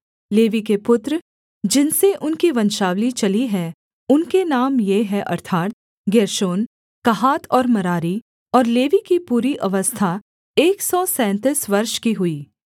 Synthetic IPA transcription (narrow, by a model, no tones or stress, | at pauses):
leːʋikepʊt̪ɾ | d͡ʒɪnseʔʊnkiʋɐ̃nʃaːʋlit͡ʃɐliɦɛː | ʊnkenaːmjeɦɛʔɐ̰ɾt̪ʰaːɾt̪ | ɡeːɾʃoːn | kɐɦaːt̪ʰɔːɾmɐɾaːɾi | ɔːɾleːʋikipuːɾiʔɐʋəst̪ʰa | eːksɔːsɛ̃ːnt̪ɪsʋɐɾʃkiɦʊiː